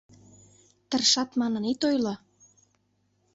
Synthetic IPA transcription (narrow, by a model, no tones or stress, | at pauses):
t̪ə̆rʃɑt̪mɑnə̆nit̪ojlo